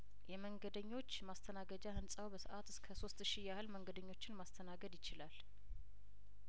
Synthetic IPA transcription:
jɛməŋɡəd̪əɲːo̞t͡ʃːmast̪ʰənaɡəd͡ʒahɨnsʼawbəsəʔat̪ɨskʰəso̞st̪ʃijahɨlməŋɡəd̪əɲːo̞t͡ʃːɪnmast̪ʰənaɡəd̪jɪt͡ʃɪlal

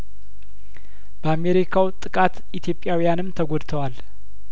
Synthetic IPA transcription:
b̥əameɾikʰawt̪ʼɨkʼat̪ | it̪ʰjo̞pʼjawijanɨmt̪ʰəɡodt̪ʰəwal

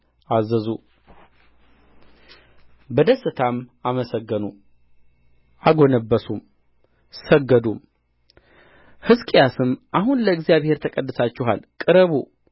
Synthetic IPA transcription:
ʔazəzu | bəd̪əsːɨt̪ʰamaməsəɡːənu | aɡo̞nəbːəsum | səɡːəd̪um | hɨskʼijasɨmʔahunləɨɡzijaβhe̞ɾt̪ʰəkʼəd̪ːɨsat͡ʃːɪɦalkʼɨɾəβu

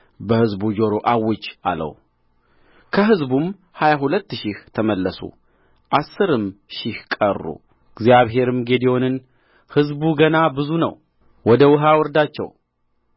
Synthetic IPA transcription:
bəhɨzbud͡ʒo̞ɾoʔawːɔt͡ʃːa̰lə̰w | kʰəɦɨzbum | hajaɦulət̪ːʃɪht̪ʰəməlːəsṵ | ʔasːɨɾɨmʃɪhkʼə̰rːṵ | ɨɡzjaβɦe̞ɾɨmɡe̞d̪io̞nɨn | hɨzbuɡənabɨzunə̰w | wɔd̪əwɨɦawɔɾd̪at͡ʃːɛ̰w

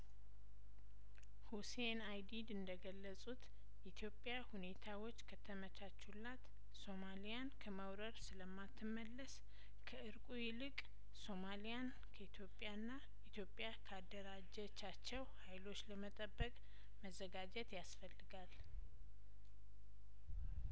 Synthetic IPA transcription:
husenajd̪id̪ɨnd̪əɡəlːəsʼut̪ | ʔit̪ʰjo̞pʼjahune̞t̪ʰawo̞t͡ʃːkʰət̪ʰəmət͡ʃʰat͡ʃːulːat̪ | so̞malijankʰəməwɾəɾsɨləmːat̪ʰːɨmːəlːəs | kʰəʔɨɾkʼujɪlɨkʼ | so̞malijan | kʰəit̪ʰjo̞pʼjanːa | it̪ʰjo̞pʼjakʰəad̪ːəɾad͡ʒɛt͡ʃːat͡ʃːɛwhajlo̞t͡ʃːləmət̪ʼəbːəkʼ | məzːəɡad͡ʒɛt̪jasfəlːɨɡal

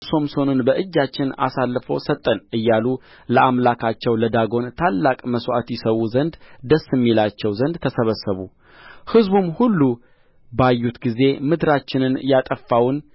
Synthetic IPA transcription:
so̞mso̞nɨnbəʔɨd͡ʒːat͡ʃːɪna̰salːfo̰wsət̪ʼːənʔɨjːalu | ləʔamlakʰat͡ʃːɛwləd̪aɡo̞nt̪ʰalːakʼməswʔat̪jɪsəwuzənd̪d̪əsːɨmːilat͡ʃːɛwzənd̪t̪ʰəsəβəsːəβu | hɨzbumhulːu | bajːut̪ɡize̞mɨd̪ɾat͡ʃːɪnɨnjat̪ʼəfːawn

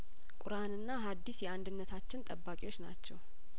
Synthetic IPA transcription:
kʼʊɾanɨnːaɦad̪ːisjɛand̪ɨnːət̪ʰat͡ʃːɪnt̪ʼəbːakʼiwo̞t͡ʃːna̰t͡ʃːɛw

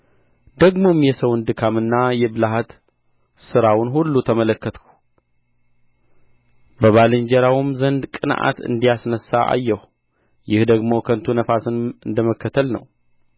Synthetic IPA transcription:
d̪əɡmo̞mjɛsəwnd̪ɨkʰamɨnːajɛbɨlaɦat̪ | sɨɾawʊnɦulːut̪ʰəmələkːət̪ʰku̥ | bəβalɨɲd͡ʒɛɾawumzənd̪kʼɨnʔa̰t̪ɨ̰nd̪ijasnəsːaʔa̰jːɛh | jɪhd̪əɡmo̞kʰənt̪ʰunəfasɨnɨnd̪əməkʰːət̪ʰəlnə̰w

